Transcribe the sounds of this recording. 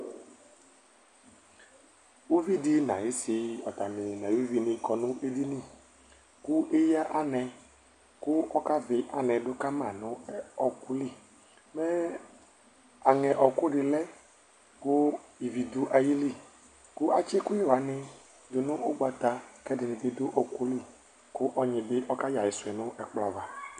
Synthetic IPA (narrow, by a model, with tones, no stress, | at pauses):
u˦vi˦dɪ˦nã̰˨je˦sɪ˨ɔ˨t̪a˨nɪ˨nã˨jvi˦nɪ̃˧kɔ˨nʊ̃˦ʔe˦di˦nĩ˦˨ | kʊ˦ʔe˦ja˦ʔa˦nɛ̃˧ | kʊ˦ɔ˦ka˦vɪ˨ʔa˨nɛ̃˨dʊ˦ka˦mã˨nʊ̃˨˦ɔ˨kʊ˦li˦˨ | mɛ˦ | a˨ŋɛ˨ʔɔ˨kʊ˦ɖɪ˨lɛ˦ | kʊ˦i˨vi˨d̪u˦ʔa˨ji˦li˦˨ | kʊ˦ʔa˦t͡ʃɛ˦kʊ˦ɪ˦wa˨˦nɪ˦ | dʊ˨nʊ̃˦ʊ˦ɡ͡ba˨t̪a˨kɛ˦dɪ˨nɪ̃˨bɪ˦dʊ˦ʔɔ˨ku˦li˦˨ | kʊ˦ʔɔ˦ɲɪ̃˨bɪ˦ʔɔ˦ka˦ja˨jɪ˨sʊ˨ɛ˨nʊ̃˦ʔɛ˨k͡plɔ˨va˨